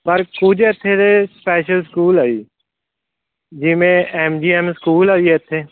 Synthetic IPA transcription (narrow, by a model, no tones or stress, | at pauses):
pɐɾkud͡ʒɛt̪ʰːet̪espɛːʃəlskuːlaːḭː | d͡ʒɪmẽɛmd͡ʒiːɛmskuːlaːiɛt̪ʰːeː